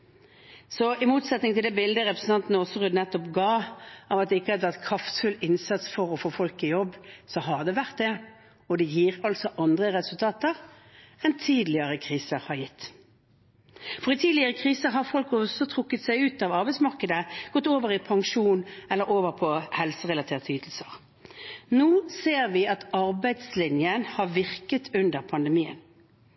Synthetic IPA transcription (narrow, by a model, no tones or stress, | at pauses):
sɔɪmuːt̪sɛt̪nɪŋt̪ʰɪld̪ɛːbɪld̪əʁɛpɾəsn̩ɑnt̪nəɔsɔʁʉd̪nɛt̪ːɔpɡɑːɑʋɑt̪̚d̪ɛɪkːəhɑd̪əʋæʁt̪kʰɾɑft̪fʉlɪnsɑt̪sfɔʁɔfoːfɔlkɪjɔbːsɔɦɑʁd̪ɛʋæʁt̪̚d̪ɛ | ɔd̪ɛjiːʁɑlt̪sɔʔɑnd̪ʁəʁɛsʉlt̪ʰɑːt̪əʁ | ɛnt̪ʰiːd̪lɪəɾəkʰʁiːsəɾhɑɾjɪt̪ː | fɔʁɪt̪ʰiːd̪lɪəʁəkʰʁiːsəɦɑʁfɔlkɔsɔt̪ʰʁʊkːət̪sæɪʉːt̪ɑʋɑɾbæɪsmɑʁkəd̪əɡ̥ɔt̪ːoːʋəʁɪpʰɑŋʃuːnɛlːəɾoːʋəɾpʰɔhɛlsəʁɛlɑt̪ʰeːʁt̪ʰyːt̪l̩səʁ | nuːseːʁʋɪɑt̪ɑɾbæɪd̪slɪnjənhɑʁʋɪʁkət̪ʰʉnd̪əʁpʰɑnd̪ɛmiːə̰n